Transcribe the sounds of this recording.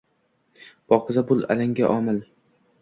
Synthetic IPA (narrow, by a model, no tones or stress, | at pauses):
b̥ɒqʰɨzabʊlˠa̰laŋɡʲaʔɒmɪl